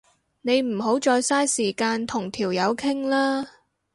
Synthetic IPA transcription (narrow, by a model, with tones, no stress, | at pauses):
ne˨˧jm̩˨˩ɦo˨˥wt͡ʃɔː˧jsaː˥jsiː˨˩kaː˧nt̪ʰʊ˨˩ŋt̪ʰiː˨˩wjɐ˨˧wkʰɪ˥ŋlaː˥